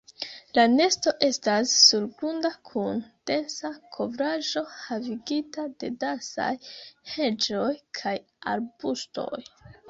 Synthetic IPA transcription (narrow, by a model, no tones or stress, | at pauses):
lane̞sto̞ʔe̞stasːuɾɡɾundakʰund̥e̞nsakʰo̞vɾaʒo̞haviɡitade̞dansa̰jhe̞d͡ʒo̞jkʰaj | a̰ɾbusto̞̰j